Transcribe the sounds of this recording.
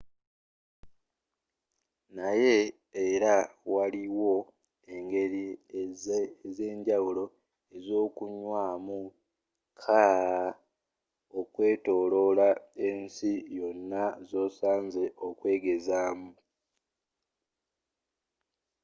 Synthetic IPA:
naje̞ː | ɾawaliwo̞ | e̞ŋɡe̞ɾi | ze̞ːɲɟawulo̞ | e̞zo̞ːkuɲwaːmu | kʰa | okwe̞ːto̞ːlo̞lae̞ːnsijo̞nːazo̞ːsaːnze̞ʔo̞kwe̞ːɡe̞zaːmu

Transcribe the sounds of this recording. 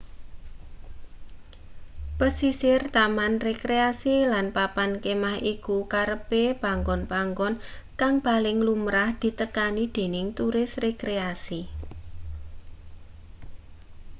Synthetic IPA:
pəsisɪrt̪amanrekɾeasilanpapankemahʔikukaɾəpeb̥a̤ŋɡɔnpaŋɡɔnkaŋpalɪŋlumɾahd̪̥i̤t̪əkanid̪̥e̤nɪŋt̪uɾɪsrekɾeasi

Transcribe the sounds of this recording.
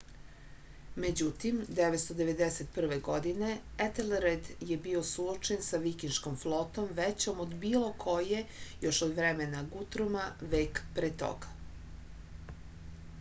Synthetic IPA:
me̞d͡ʑut̪imd̪eʋet̪st̪od̪eʋe̞d̪eset̪pr̩ʋeɡo̞d̪ine̞et̪elɾed̪je̞bio̞suot͡ʃensaʋikinʃkomflˠot̪o̞mʋet͡ɕomod̪biːlˠo̞kʰo̞je̞jo̞ʃod̪ʋɾemenaɡut̪ɾumaʋeːkpɾet̪o̰ɡḁ

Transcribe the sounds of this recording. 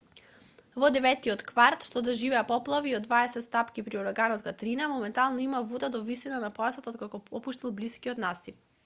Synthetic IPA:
vɔd̪ɛvɛt̪iɔt̪kvaɾt̪ʃt̪ɔd̪aʒivɛapɔplˠaviod̪vaɛsɛt̪st̪apkipɾiɔɾaɡanɔt̪kat̪ɾinamɔmɛnt̪alˠnɔimavud̪ad̪ɔvisinanapɔasat̪at̪kakɔɔpuʃt̪ilˠbliskiɔt̪nasi

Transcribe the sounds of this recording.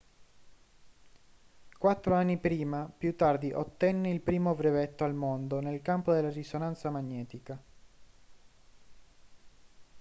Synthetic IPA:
kwat̪ːɾoanːipɾiːmapjut̪ːard̪iʔot̪ːɛnːeilpɾiːmobɾevet̪ːoalmond̪onelkampod̪elːarisonant̪samaɲːɛːt̪ika

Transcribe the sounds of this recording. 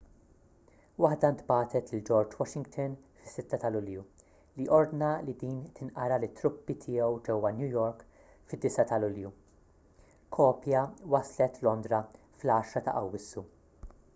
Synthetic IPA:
wɐħd̪ɐnt̪bɐːt̪ɛt̪lɪld͡ʒɔɾd͡ʒwɔʃɪŋɡt̪ʰɔnfɪ̥sːɪt̪ːɐt̪ɐlʊlju | liʔɔɾd̪nɐlid̪iːnt̪ɪnʔɐɾɐlɪt̪ːɾʊpːit̪ʰɪːɛwd͡ʒɛwːɐnjujɔɾk | fɪd̪ːɪsɐt̪ɐlʊlju | kʰɔːpjɐwɐslɛt̪lɔnd̪ɾɐ | flɐːʃɾɐt̪ɐ̰ʔɐwːɪsːu

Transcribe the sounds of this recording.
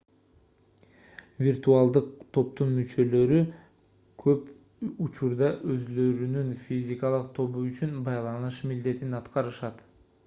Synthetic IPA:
vʲirt̪ualˠd̪ɯqt̪ʰo̞p̚t̪unmyt͡ʃø̞lø̞ɾy | kʰø̞p | ut͡ʃuɾd̪ɑʔø̞zlø̞ɾynynfʲizʲɪkalˠɯq̚t̪ʰo̞βuyt͡ʃynbɑjlˠɑnɯʃmild̪e̞t̪inɑt̪qɑɾɯʃɑt̪

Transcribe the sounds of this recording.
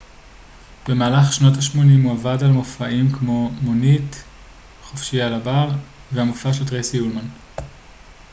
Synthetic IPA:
b̥e̞maːlaχʃno̞taʃmo̞nimhuavadalmofaimkmo̞monit | χofʃialabaʁ | vehamofaʃeltʁesiulman

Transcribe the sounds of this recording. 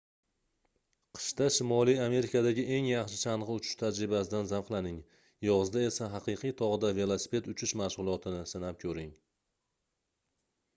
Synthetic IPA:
qʰɨ̥ʃt̪aʃɪmɒlˠijame̞ɾɪkʰad̪aɡʲɪʔe̞ŋjɑχʃɪʃʰanʁɨʊt͡ʃʰɪ̥ʃt̪ʰad͡ʒɾɪbasɪd̪anzamqlˠanɪŋ | jɒʁɨzd̪ae̞saɦɑqɨjqʰijt̪ʰɒʁɨd̪ave̞lˠosɪ̥pʰe̞t̪ʊt͡ʃʰɪʃmaʃʁʊlˠɒt̪ʰɪnɪsɪnap̚kʲʰɵɾɪŋ

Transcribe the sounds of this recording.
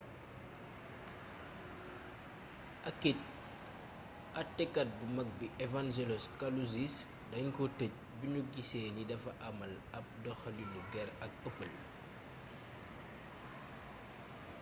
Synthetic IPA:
ʔɐkːec̚ | ʔɐtːɛkːɐt̚bumɐk̚biʔɛvand͡ʒelɔskaluzis | dɐɲkɔtəc̚biɲuɡisɛːnidɐfɐʔɐmɐl | ɐp̚dɔxɐlinuɡɛɾɐk̚əpːəl

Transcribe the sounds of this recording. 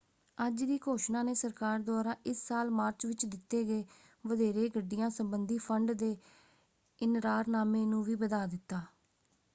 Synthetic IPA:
əd͡ʒd̪iːkʰoːʃnãːneːsəɾkaːɾd̪aːɾãːʔɪsːaːlmaːɾt͡ʃʋɪt͡ʃd̪ɪt̪ːeːɡeː | ʋəd̪eːɾeːɡəɖːɪjãːsəmbənd̪iːpʰəɳɖd̪eː | ɪnɾaːɾnaːmẽːnũːʋiːbəd̪aːd̪ɪt̪ːaː

